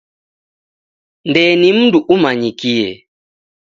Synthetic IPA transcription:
ndɛːnim̩nduʔumaɲikiɛ

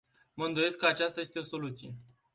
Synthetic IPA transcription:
məɨnd̪o̞je̞skːəat͡ʃast̪aje̞st̪e̞o̞so̞lut̪sije̞

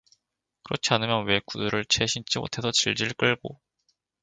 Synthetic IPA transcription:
kɯɾʌt͡ɕʰianɯmjʌnwe̞kuduɾɯɭt͡ɕʰe̞ɕʰint͡ɕ͈imo̰tʰe̞sʰʌt͡ɕiɭd͡ʑiɭk͈ɯɭɡo

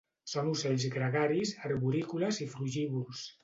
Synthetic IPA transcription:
sonusɛʎzɣɾəɣaɾisaɾβuɾikuləzifluʒiβulˠs

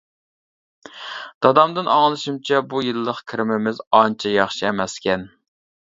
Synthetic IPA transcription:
d̪̥ɑd̪ɑmd̪ɨnɑŋlˠɨʃimt͡ʃʰɛbujilːəqkʲʰɪɾɪmɪmɪzɑnt͡ʃʰɛjɑχʃiɛmɛskʲɛn

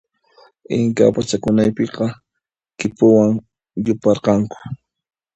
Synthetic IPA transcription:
ɪŋka̰pat͡ʃakʊnajpeqɑ | kɪpʊwaŋ | jʊpɑɾqɑŋkʊ̥

